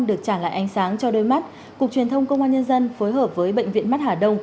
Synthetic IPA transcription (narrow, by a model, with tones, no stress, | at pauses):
ɗɨ˨˩ək̚t͡ɕaː˧˩la̰ː˧˨ʔa˨˦jŋ̟saː˨˦ŋt͡ɕɔ˧ɗo˨˦jma˦˥t̚ | ku˨˩ək̚t͡ɕwi˨˩nt̪ʰə˧wŋ͡mkə˧wŋ͡mʔaː˧nɲə˧nzə˧nfoː˨˦jɦəː˨˩p̚vəː˨˦jɓə̰˧˨jŋ̟vḭ˧˨ənma˦˥t̚haː˨˩ɗə˧wŋ͡m